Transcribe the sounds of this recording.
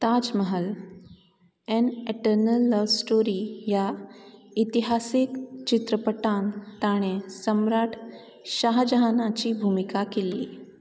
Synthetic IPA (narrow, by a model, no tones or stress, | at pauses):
t̪ad͡ʑməɦəl | ɛneʈəɾnəlːəʋsʈoɾija | it̪iɦasikt͡ɕit̪ɾəpəʈant̪aɽ̃esəmɾaʈʰ | ɕaɦd͡ʑəɦanat͡ɕiːbʱumikakeliː